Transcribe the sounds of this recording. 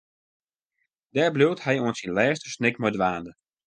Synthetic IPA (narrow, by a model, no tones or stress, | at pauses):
d̥ɛːɹblowthɛjuənsinlɛːstəsnɪkmɔjdʋaːndə